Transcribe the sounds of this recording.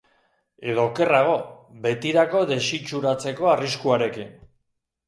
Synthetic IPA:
e̞ðo̞ke̞raɣ̞o̞be̞t̪iɾako̞ðe̞sit͡ʃuɾat͡se̞ko̞ariskuaɾe̞kin

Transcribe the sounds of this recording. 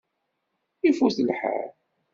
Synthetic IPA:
ifuθəlħa̰ɾ

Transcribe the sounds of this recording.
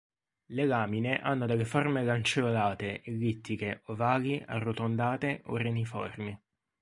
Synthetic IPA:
lelaːmineʔanːod̪elːeformelant͡ʃeolaːt̪eʔelːit̪ːikeʔovaːɡiʔa̰rːot̪ond̪aːt̪eʔo̰renifɔ̰rmi

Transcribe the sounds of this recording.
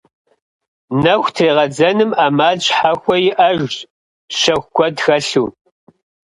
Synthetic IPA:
nɐxʷtʰreːʁɐd͡zɐnɨmaːmaːɮt͡ʃʼħaxʷɔjɪʔɐʒɕʼ | ʃɐxʷkʷʰɔdxɐɬuː

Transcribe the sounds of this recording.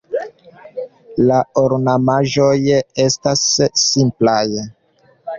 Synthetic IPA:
laoɾnamaʒo̞je̞stasːimplaj

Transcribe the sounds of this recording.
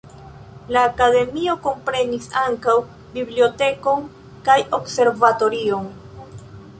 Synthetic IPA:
laːkade̞mio̞ko̞mpɾe̞nisaŋkaw | biblio̞te̞ko̞n | kajo̞kse̞ɾvato̞ɾion

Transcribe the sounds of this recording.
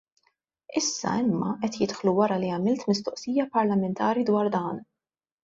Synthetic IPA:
ɪsːɐ̰ɪmːɐʔɛt̪jɪt̪ħluwɐɾɐliɐmɪlt̪mɪst̪ɔʔsiːjɐpɐɾlɐmɛnt̪ʰɐːɾid̪wɐːɾd̪ɐːn

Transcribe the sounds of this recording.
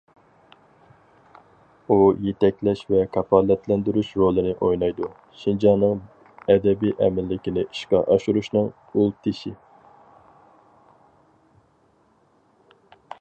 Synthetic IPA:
ujet̪ɛkʲlɛʃvɛkʰɑpʰɑlːɛt̪ʰlɛnd̪yɾuʃɾolˠɨnɪʔojnɑjd̪u | ʃind͡ʒɑnɨŋ | ɛd̪ɛbijʔɛmɪlːɪkʲinɪiʃqɑʔɑʃuɾuʃnɨŋ | ulˠt̪ʰɪʃi

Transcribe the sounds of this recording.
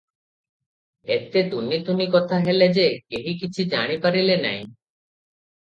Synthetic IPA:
et̪et̪unːit̪unikɔt̪ʰaɦeled͡ʑekeɦikit͡ɕʰid͡ʑaɽ̃ipaɾilena̰j

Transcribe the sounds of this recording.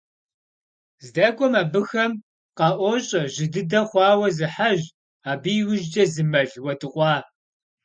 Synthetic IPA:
zdɐkʷʰɔmaːbɨxɐm | qɑʔʷɔɕʼɐʑɪdɨdɐχʷɑːwɐzɨħaʑ | aːbiːwʊʒd͡ʒɐzɨmɐɮwɐtʰʼɨqʷʼɑː

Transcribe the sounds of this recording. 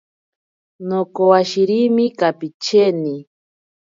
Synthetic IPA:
nokowaʃiɾimikapit͡ʃeni

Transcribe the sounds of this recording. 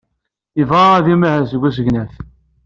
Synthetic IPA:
əvʁaæðimæhæsəɡʷæs̬əʝnæθ

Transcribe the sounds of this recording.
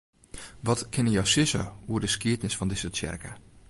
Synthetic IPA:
ʋɔtkʰɪnəjɔwsɪsə̰uərdəskiətnɪsfɔndɪsət͡ʃɛ̰rkə

